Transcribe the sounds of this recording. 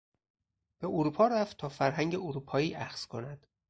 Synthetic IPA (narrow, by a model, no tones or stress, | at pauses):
b̥e̞ʔoɾupʰɒːɾæft̪ʰɒːfæɾɦæŋɟeoɾuːpʰɒːiːʔæxz̥kʰonæd̪̥